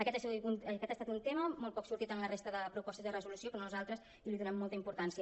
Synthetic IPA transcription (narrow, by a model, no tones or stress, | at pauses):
əkɛt̪asunkɛt̪ast̪at̪unt̪eməmɔlˠt̚pɔksuɾt̪it̪anlərest̪əðəpɾupɔst̪əzðərəzulusiokɔmnuzalˠt̪ɾəs | iliðunɛmːɔlˠt̪əimpuɾt̪ansiə